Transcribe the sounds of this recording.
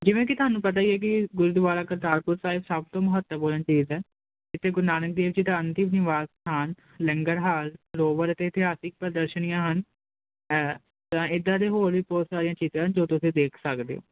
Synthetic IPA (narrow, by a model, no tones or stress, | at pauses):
d͡ʒɪʋẽːk̬ɪt̪ʊɦaːnũːpət̪aːiɛːk̬ɪɡʊɾud̪ʋaːlaːkəɾt̪aːɾpʊɾsaːɦɪbsəbt̪õːməɦət̪ːəmboːlənt͡ʃiːzɛː | ɪt̪ːeːɡʊɾnaːnək̚d̪eːʋd͡ʒɪd̪aːənt̪ɪmnɪʋaːztʰaːn | lə̃ŋɡəɾɦaːlloːʋəɾət̪eːɪt̪ɪɦaːsɪk̚pɾəd̪əɾʃənijãːɦən | t̪ãːɪd̪ãːd̪eːɦoːɾʋiːbɔːt̪saːɾijãːt͡ʃiːzãːɦənd͡ʒoːt̪ʊːsĩːd̪eːkʰsəkd̪ḛːo̰ː